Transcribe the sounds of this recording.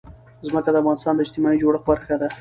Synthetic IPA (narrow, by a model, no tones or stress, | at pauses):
zməkad̪əafɣɑnɪst̪ɑnd̪əɪd͡ʒt̪ɪmɑid͡ʒoɽəxbaɾxad̪a